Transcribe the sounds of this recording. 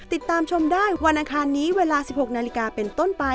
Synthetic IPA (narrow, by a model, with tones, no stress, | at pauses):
t̪i˨˩t̪ːaː˧mt͡ɕʰo˧mdaː˥˩jwa˧nʔaː˧kʰaː˧nːiː˦˥weː˧laː˧si˨˩p̚ho˨˩k̚naː˧li˦˧˥kaː˧pe˧nt̪o˥˩npa˧